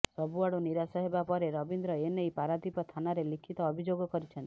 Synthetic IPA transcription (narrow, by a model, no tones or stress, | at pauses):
ɾɔbuaɽuniɾasɔɦebapɔɾeɾɔbind̪ɾɔenejpaɾad̪ipɔt̪ʰanaɾelikʰit̪ɔːbʱid͡ʒoɡɔkɔɾit͡ʃʰɔnt̪i̥